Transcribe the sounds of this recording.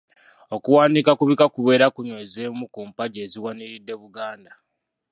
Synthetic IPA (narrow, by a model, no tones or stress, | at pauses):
o̞kuwaːnikakuβikakuβe̞ːɾakuɲwe̞ːzeːmukuːmpaɟeːziwaniɾidːe̞βuɡaːnda